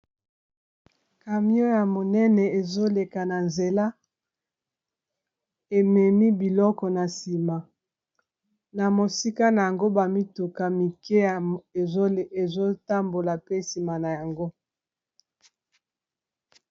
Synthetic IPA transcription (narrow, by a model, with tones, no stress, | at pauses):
ka˨mi˦o˦ja˨mo˨nɛ˦nɛ˨e˨zo˦le˨ka˨na˨nze˨la˦ | e˨mɛ˨mi˦bi˨lɔ˦kɔ˨na˨si˨ma˨ | na˨mo˨si˦ka˦na˨ja˨ŋɡo˦ba˨mi˦tu˨ka˨mi˨ke˦˨e˨o˦e˨zo˦ta˦mbo˨la˨pe˦si˨ma˨na˨ja˨ŋɡo˦